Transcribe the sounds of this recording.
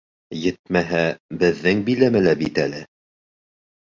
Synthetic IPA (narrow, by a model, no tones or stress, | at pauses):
jɘt̪̚mæɦæbɘ̆ðːɘŋbilæmælæpit̪ælɘ